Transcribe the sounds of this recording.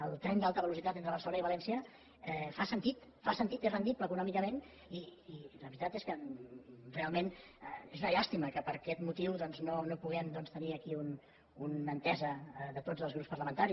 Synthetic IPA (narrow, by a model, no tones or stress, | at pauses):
əlˠt̪ɾɛnd̪alˠt̪əβəlusit̪at̪ent̪ɾəβ̞əɾsəloniβəlɛnsiə | ɛfasənt̪it̪fasənt̪it̪ezrənd̪ipləːkunɔmikəmen | iiləβɾit̪at̪eskə | realˠmenezunəʎast̪iməkəpəɾkɛt̪mut̪iwðɔnznonopuɣɛmd̪ɔnst̪əniəkiun | unənt̪ɛzəðət̪od͡zəlˠzɣɾupspəɾrləmənt̪aɾi